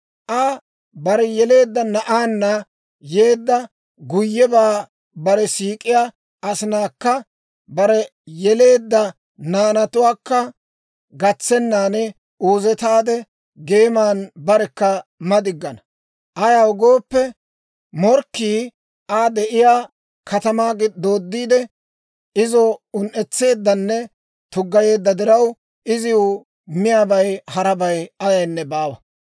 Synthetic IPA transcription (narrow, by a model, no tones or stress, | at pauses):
ʔɐ | bɐɾɛjɛle̞ːd̪ːɐnɐʔaːnːɐ | jeːd̪ːɐ | ɡʊjːɛbaː | bɐɾɛsiːkʼɪjaː | ɐsɪnaːkːɐ | bɐɾɛjɛle̞ːd̪ːɐ | naːnɐt̪ʊwaːkːɐ | ɡɐt͡sːɛnːaːnɛ | uːzɛt̪aːd̪ɛ | ɡe̞ːmaːnbɐɾɛkːɐmɐd̪ɪɡːɐnɐ | ʔɐjawɡo̞ːpːɛ | mɔɾkːiː | aːd̪ɛʔɪjaː | kɐt̪ɐmaːɡɪd̪o̞ːd̪ːiːd̪ɛ | ɪzɔʊnʔɛt͡sːe̞ːd̪ːɐnːɛ | t̪ʊɡːɐje̞ːd̪ːɐd̪ɪɾɐw | ɪzɪʊ | mɪjaːbɐjhɐɾɐbɐjɐjɐjnːɛbaːwɐ